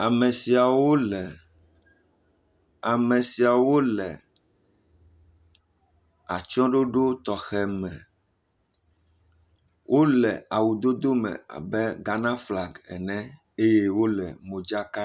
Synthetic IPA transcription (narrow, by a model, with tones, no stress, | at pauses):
a˨mɛ̃˨si˨a˨wo˦lɛ˨ | a˨mɛ̃˨si˨a˨wo˦lɛ˨ | a̰˨t͡ʃɔ̃˦ɖo˦ɖo˦t̪ɔ˨xɛ˨mɛ̃˨ | wʔo˦lɛ˨a˨wu˨d̪o˦d̪o˦mɛ̰̃˨a̰˨bɛ˦ɡa˨nã˦fla˨ɡɛ̰˨nɛ̃˦ | e˦je˦wo˦lɛ˨mõ˨d͡ʒa˦ka˦